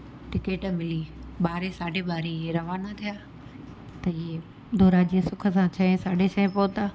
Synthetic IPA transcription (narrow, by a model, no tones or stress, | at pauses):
ʈɪkeːʈmɪliɓaːɾesaːɖʱeɓaːɾeɪeɾɐʋaːnat̪ʰijaː | t̪ɐɪɦe | d̪ʱoːɾaːd͡ʑiːə̃sʊkʰə̆sãt͡ɕʰɐẽsaːɖʱet͡ɕʰɐẽpoːt̪aː